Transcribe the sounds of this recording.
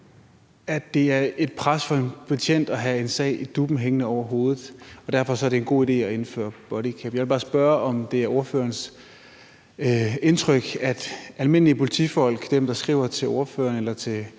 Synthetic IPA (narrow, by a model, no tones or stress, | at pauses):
æd̥ːe̝æɐe̝d̥̚pʰʁasfɒ̽e̝npʰæt͡ɕʰen̰d̥ɒɦæe̝nsɛ̰ɪ̰id̥ub̥m̩ɦeŋənəɒʊ̰ɐɦo̝ːð̩ˠɒ̽d̥æɐfɒ̽sɒ̽ɐɾe̝enɡ̥o̝̰ːid̥e̝̰ːɒe̝nfø̰ːɐb̥ɒ̽ɾikʰæb̥jɑɪʋelb̥ɑ̈ːsb̥ɶɐɒ̽md̥e̝æɐo̝ɐføːɐns | e̝nt͡sʰʁœɡ̥æd̥ʔælme̝n̰liəpʰo̝lit͡sʰḭfɒ̽l̰ɡ̥d̥emd̥ɑ̈sɡ̥ʁḭʊ̰ɐt͡sʰe̝lo̝ɐføːɐnelɐt͡sʰe̝l